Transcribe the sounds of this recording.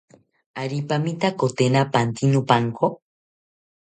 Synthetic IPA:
aɾipamit̪akot̪enapant̪inupaŋkʰo

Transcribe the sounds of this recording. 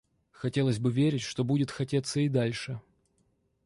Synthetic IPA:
xɐtʲe̞lˠəzʲbɨvʲeɾʲɪtʲʂt̪o̞budʲɪt̪xɐtʲet̪səɪd̪alʲʂɨ

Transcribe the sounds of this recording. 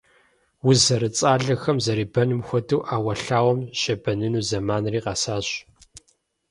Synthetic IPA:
wʊzɐɾɨt͡sʼaːɮɐxɐmzɐɾiːbɐnɨmxʷɔduwːʔaːwɐɬaːwɔmʃɐbɐnɨnuːzɐmaːnriːqɑːsaːɕ

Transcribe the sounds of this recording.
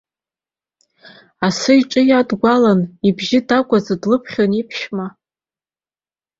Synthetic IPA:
asɨiʈ͡ʂʼɨjadɡʷalanibʒɪdakʷʼazadlɨpʰχʲonipʰʃma

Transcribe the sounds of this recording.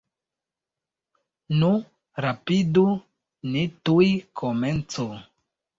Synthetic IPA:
nu | ɾapidu | nitujkʰoment͡so

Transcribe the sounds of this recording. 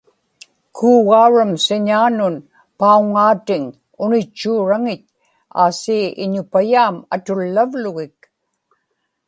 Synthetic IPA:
kʰuːɣauɻamsɪɲaːnʊn | pauŋaːt̪ɪŋ | ʊnɪt͡ʃːuːɻaŋɪt̪̚ | a̰ːsiːɪ̰ɲʊpajaːma̰t̪ʊlːavlʊɣɪk

